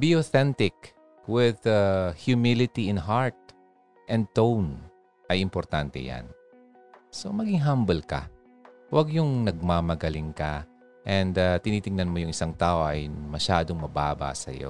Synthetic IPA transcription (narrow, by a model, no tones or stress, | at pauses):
biʔoθɛnt̪ɪk̚ | wɪðahjʊmɪlɪt̪iɪnɦaɹt̪̚ | ʔɛnd̪̚t̪own | ʔɐjɪmpoɾt̪ant̪ɛ̰ja̰n | so̞mɐɡɪŋɦambɛlkɐ̰ | wɐɡjʊŋnɐɡ̚maːmɐɡɐlɪŋkɐ | ʔɛnd̪at̪ɪniːt̪ɪŋnɐnmojʊŋʔɪsaŋt̪aːʔo̞ʔɐjmɐʃaːd̪o̞ŋmɐbaːba̰sɐ̰jo̰